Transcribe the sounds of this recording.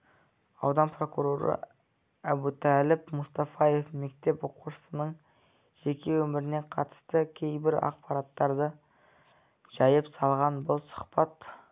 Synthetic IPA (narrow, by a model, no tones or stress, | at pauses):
ɑwd̪ɑnpro̞kuɾo̞ɾə̰ | æbut̪ʰælɪpmʊst̪ɑfɑje̞fme̞k̚t̪e̞poquʃə̥sənəɴ | ʒ̥e̞kʲe̞wɵmɪɾɪne̞qʰɑt̪ə̥st̪əkʲʰe̞jbɪɾɑ̰q̚pɑɾɑt̪ːɑɾd̪ə | ʒ̥ɑjəpsɑlˠʁɑnbʊlˠsʊ̥χpɑt̪